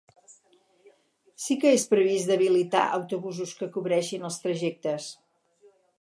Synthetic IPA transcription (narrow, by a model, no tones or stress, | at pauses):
sikəespɾəβizd̪əβilit̪a̰ʔə̰wt̪uβuzuskəkuβɾɛʃinəlˠst̪ɾəʒɛk̚t̪əs